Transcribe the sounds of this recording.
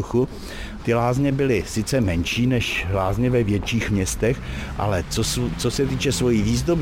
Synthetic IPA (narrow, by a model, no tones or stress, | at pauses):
xu | t̪ɪlaːzɲɛbɪlɪsɪt͡sɛmɛnʃiːnɛʃlaːzɲɛvɛvjɛt͡ʃiːxmɲɛst̪ɛxʔa̰lɛt͡sost͡sosɛt̪iːt͡ʃɛsvo̞jiːviːzd̪ob